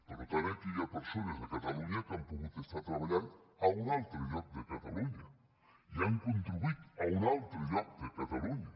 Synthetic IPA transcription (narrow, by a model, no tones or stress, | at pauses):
poɾot̪aβek̪iʎapeɾsonazðekat̪aluɲak̪ampoɣut̪est̪at̪ɾaβaʎan | aunalt̪ɾeʎok̚d̪ekat̪aluɲa | iaŋkont̪ɾuβit̪aunalt̪ɾoʎok̚d̪ekat̪aluɲa